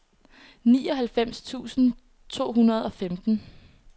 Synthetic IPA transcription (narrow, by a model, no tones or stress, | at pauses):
niːɒ̽ɦælfem̰st͡sʰṵːsn̩ | t͡sʰo̝̰ːɦunɐð̞ˠɒ̽femd̥n̩